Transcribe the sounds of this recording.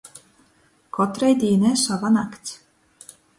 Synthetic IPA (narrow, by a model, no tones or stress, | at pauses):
kʰɔt̪ɾɛjd̪ʲiːnʲɛsavanakt̪sʲ